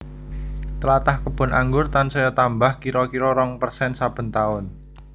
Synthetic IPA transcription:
t̪əlat̪ahkəb̥ʊ̤nʔaŋɡʊrt̪ansɔjɔt̪ambahkiɾɔkiɾɔɾɔŋpərsɛnsab̥ə̤nt̪aʊn

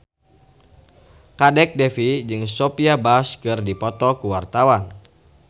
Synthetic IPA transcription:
kadɛk̚dɛfid͡ʒɨŋsɔpiabaskɨrdipɔt̪ɔkuwart̪awan

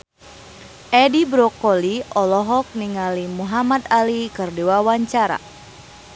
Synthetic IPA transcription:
ʔɛdibɾɔkɔliɔlɔɦɔk̚niŋalimuɦamat̪alikɨrdiwawaɲt͡ʃaɾa̰

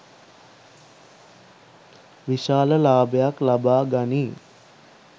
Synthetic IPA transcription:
ʋiʃaːləlaːbəjaklabaːɡaniː

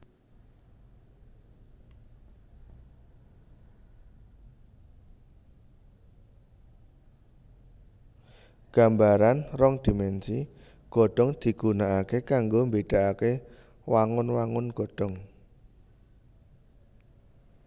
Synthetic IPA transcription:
ɡ̥ambaɾanrɔŋd̪̥i̤mɛnsi | ɡ̥ɔ̤ɖ̥ɔ̤ŋd̪̥i̤ɡ̥ṳnaakekaŋɡombeɖ̥a̤ʔake | waŋʊnwaŋʊnɡ̥ɔ̤ɖ̥ɔ̤ŋ

